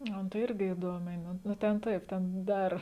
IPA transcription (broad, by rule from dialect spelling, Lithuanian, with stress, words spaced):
ˈɐ nʊ tɐɪ ˈɪrʲɡʲɪ ɪˈduɔmʲɛɪ nʊ nʊ ˈtʲɛn ˈtɐɪp ˈtʲɛn ˈdɐr